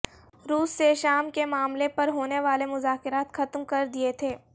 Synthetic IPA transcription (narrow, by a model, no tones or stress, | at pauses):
ɾuːsːeʃaːmkemaːmlepɐɾɦoːneʋaːlemʊzaːkɪɾaːt̪xɐt̪mkɐɾd̪iet̪ʰeː